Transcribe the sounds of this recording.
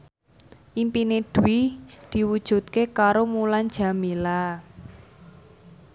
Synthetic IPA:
ʔimpined̪̥uwid̪̥i̤wud̥ʒ̥ṳt̪̚kekaɾomulan̥d͡ʒ̥a̤mila

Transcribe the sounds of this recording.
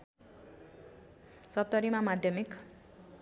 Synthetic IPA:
sʌp̚t̪ʌɾimamad̪ʱjʌmik

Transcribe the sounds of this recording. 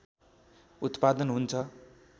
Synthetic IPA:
ut̪pad̪ʌnɦunt͡sʰʌ

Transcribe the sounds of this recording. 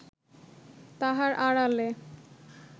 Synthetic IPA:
t̪aɦaɾʔaɽale

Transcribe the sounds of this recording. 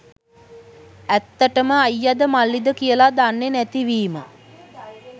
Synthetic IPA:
æt̪ːəʈəməajːad̪əmalːid̪əkijəlad̪anːenæt̪iʋiːmə̰

